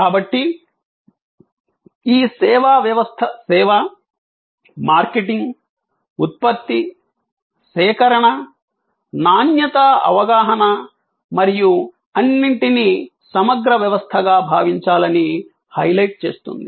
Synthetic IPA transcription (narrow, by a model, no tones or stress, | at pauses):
kaːbɐʈːi | iːsɛːʋaːʋjɐʋɐst̪ʰɐsɛːʋɐ | maːɾkeʈiŋɡ | ut̪̚pɐt̪ːi | sɛːkɐɾɐɳɐ | naːnjɐt̪ɐɐ̰ʋɐɡaːɦɐnɐ | mɐɾiju | ɐnːiɳʈinisɐmɐɡɾɐʋjɐʋɐst̪ʰɐɡaːbʱaːʋiɲt͡ʃaːlɐni | hɐjlɐjʈ̚t͡ʃḛːst̪ṵnd̪i